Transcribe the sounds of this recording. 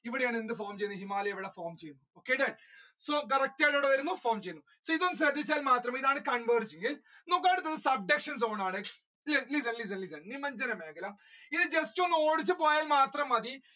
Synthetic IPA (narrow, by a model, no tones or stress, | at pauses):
iʋiɽejaːɳɨend̪ɨfoːrmt͡ɕejunːuɦimaːlɐeʋiɽɐfoːmt͡ɕejunːuoːkːeɖeɖ | soːk̬ɐɾɐk̚ʈeːjʈoɽɐʋɐɾunːufoːmt͡ɕejunːu | soːiðonːɨsɾɐd̪ːit͡ɕːaːlmaːt̪rɐmiðaːɳɨkɐɳbɐːɾd͡ʑːeŋɡil | noːk̬ːaːɽɨt̪ːɐðɨsɐb̚ɖekʂɐns̬oːɳaːɳɨ | lelis̬ɐnlis̬ɐnlisɐɳnimːɐɲd͡ʑɐnɐmeːɡɐlam | iðɨd͡ʑestunoːɽit͡ɕːɨpoːjaːlmaːt̪rɐmɐði